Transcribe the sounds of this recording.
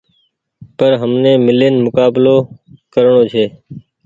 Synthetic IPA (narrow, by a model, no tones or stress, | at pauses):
pəɾɦəmneːmɪleːnmʊkaːbloːkəɾɳoːt͡ʃʰeː